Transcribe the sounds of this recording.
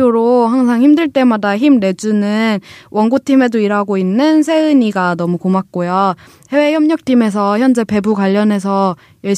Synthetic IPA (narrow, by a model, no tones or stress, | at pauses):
oɾoɦaŋsʰaŋçimdɯɭt͈e̞madaçimɾe̞d͡ʑunɯnwʌnɡotʰime̞doiɾɦaɡoinːɯnsʰe̞ɯɲiɡanʌmukomak̚k͈ojo | he̞we̞çjʌmɲʌk̚tʰime̞s̬ʰʌçjʌnd͡ʑe̞pe̞bukwaʎːʌne̞s̬ʰʌ | jʌɭɕ